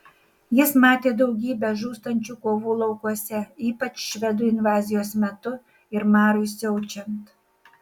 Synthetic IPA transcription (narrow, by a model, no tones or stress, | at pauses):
jɪsmɑːt̪ʲeːd̪ɒʊɡʲiːbʲɛʒuːst̪ɐnʲt͡ʃʲuːkoːʋuːlˠɒʊkuɔsʲɛiːpɐt͡ʃʃʲʋʲɛd̪uːɪnʋɑːzʲɪjoːsmʲɛt̪ʊ | ɪɾmɑːɾʊɪsʲɛʊt͡ʃʲɛnt̪